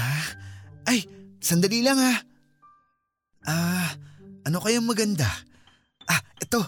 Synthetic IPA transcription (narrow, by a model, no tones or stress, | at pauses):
a | ʔajsɐnd̪ɐlilɐŋa | ʔaː | ʔɐno̞kɐjoŋmɐɡɐnd̪a | ʔaʔɛt̪o̞